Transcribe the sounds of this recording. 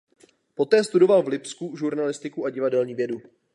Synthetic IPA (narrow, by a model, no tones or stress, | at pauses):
po̞t̪ɛːst̪udo̞valvlɪpskuʒuɾnalɪst̪ɪkuʔaɟɪvadɛlɲiːvjɛdu